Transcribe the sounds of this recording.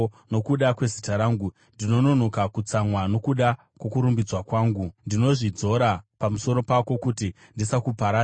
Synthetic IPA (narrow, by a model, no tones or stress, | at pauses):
no̞kuɗakwe̞zitaɾaːŋɡu | ndino̞no̞no̞kakut͡samwano̞kuɗa | kwokuɾumbid͡zwakwaːŋɡundino̞ʐid͡zo̞ɾapamuso̞ɾo̞pako̞kuti | ndisakupaɾa